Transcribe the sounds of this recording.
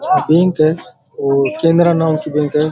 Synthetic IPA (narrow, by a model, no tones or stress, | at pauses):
bẽːŋkɦɛː | oːkẽːnd̪ɾanaːmkibẽːŋkɦɛː